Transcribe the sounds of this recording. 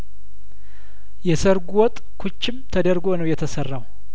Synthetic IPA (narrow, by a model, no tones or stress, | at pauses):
jɛsəɾɡuwɔt̪ʼkʰut͡ʃːɪmt̪ʰəd̪əɾɡonəwjɛt̪ʰəsərːaw